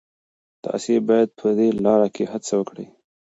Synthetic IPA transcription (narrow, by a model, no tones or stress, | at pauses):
t̪ɑ̰sebɑjad̪̚pʰəd̪elɑɾakʰehat͡sawəkɽə̰j